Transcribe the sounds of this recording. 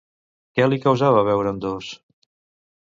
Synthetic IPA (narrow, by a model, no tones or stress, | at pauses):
kɛlikəwzaβəβ̞ɛwɾəːnd̪os